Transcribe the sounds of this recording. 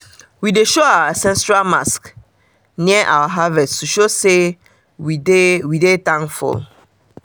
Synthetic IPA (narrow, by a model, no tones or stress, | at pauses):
wideʃoawasɛ̃nsɹalmask | niɛʔa̰waɦavɛsttuʃose | widewidetãŋfɔ̰l